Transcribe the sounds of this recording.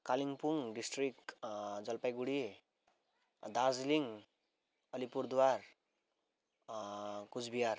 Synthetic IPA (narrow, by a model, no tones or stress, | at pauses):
kaliŋpuŋɖisʈrik̚d͡zʌlpajɡuɽi | d̪ad͡zliŋ | ʌlipuɾd̪war | kud͡zbijar